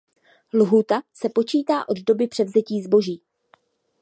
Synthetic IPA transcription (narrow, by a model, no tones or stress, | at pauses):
lɦuːt̪asɛpo̞t͡ʃiːt̪aːʔo̞d̪do̞bɪpr̝̥ɛvzɛciːzbo̞ʒiː